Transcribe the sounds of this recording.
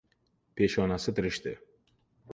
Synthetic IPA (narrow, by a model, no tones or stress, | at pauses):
pʰe̞ʃɒnasɪt̪ʰɪɾɪʃt̪ɪ